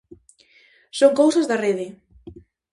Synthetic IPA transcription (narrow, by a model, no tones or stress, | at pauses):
soŋkowsazðareðɪ